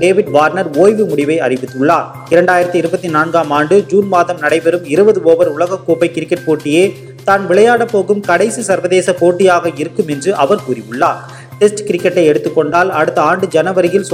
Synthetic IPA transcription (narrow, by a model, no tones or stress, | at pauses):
ɖeːʋɪɖʋaːɾnɐɾoːjʋɯmʊɽɪʋɐɪɐ̰rɪʋɪt̪ːɯɭːaː | ɪɾɐɳɖaːjɪɾɐt̪ːɯɪɾɯbɐt̪ːinaːnɡaːmaːɳɖɯd͡ʒuːnmaːðɐmnɐɽɐɪpɛɾɯmɪɾɯbɐðɯoːʋɐɾʊɭɐɣɐkːoːpɐɪkɪɾɪkːɛʈ̚poːʈːɪjeː | t̪aːnʋɪɭɐjaːɽɐpːoːɣɯmkɐɽɐɪsisɐɾʋɐðeːsɐpoːʈːɪjaːɣɐɪɾɯkːɯmɛndrɯʔɐʋɐɾkuːɾɪjɯɭːaː | ʈɛsʈkɪɾɪkːɛʈːɐɪɛɽɯt̪ːɯkːɔɳɖaːlɐɽɯt̪ːɐaːɳɖɯd͡ʒɐnɐʋɐɾɪjɪls